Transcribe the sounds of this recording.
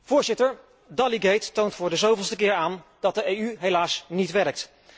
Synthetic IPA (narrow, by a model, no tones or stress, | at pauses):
v̥ʊːɹzɪtəɹ | dɑliɡejtːowntfʊːɹdəzowvəlˠstəkɪːɹaːnd̥ɑt̚dəejyɦejlaːsnitʋɛɹək̚t